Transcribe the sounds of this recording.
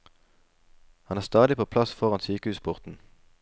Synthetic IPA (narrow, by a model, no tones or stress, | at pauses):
hɑnæːʁst̪ɑːd̪ɪpʰoːpʰlɑsfɔʁɑnsyːkəhʉːspʰʊʁt̪n̩